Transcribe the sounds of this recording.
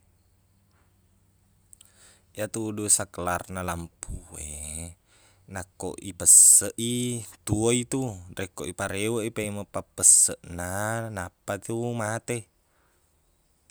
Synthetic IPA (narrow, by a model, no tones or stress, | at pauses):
jat̪uːdusakəlarnalampʰue | nako̰ʔipəsəʔit̪uoit̪urekoʔipaɾewəʔipeiməpapəsəʔnanapat̪umat̪e